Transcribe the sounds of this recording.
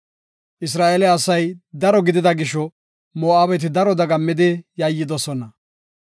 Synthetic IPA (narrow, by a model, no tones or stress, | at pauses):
ʔɪs̬ɾaːʔelɛɐsɐjd̪ɐɾɔɡɪd̪ɪd̪ɐɡɪʃːɔ | moːʔaːbɛt̪̬ɪd̪ɐɾɔd̪ɐɡɐmːɪd̪ɪjɐjːɪd̪ɔsɔnɐ